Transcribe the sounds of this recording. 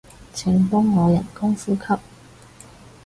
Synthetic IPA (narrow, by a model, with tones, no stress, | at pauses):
t͡sʰɪ˨˩ŋpʊ˥ŋːɔː˨˧jɐ̰˨˩nkʊ˥ŋfuː˥kʰɐ˥p̚